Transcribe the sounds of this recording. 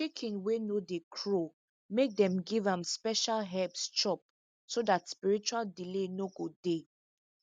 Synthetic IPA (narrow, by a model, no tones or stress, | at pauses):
t͡ʃekʰĩnwenodekʰɹo | mek̚dɛ̃mɡivãmspɛʃalɦɛpst͡ʃɔp̚ | sodatspiɹit͡ʃualdilenoɡode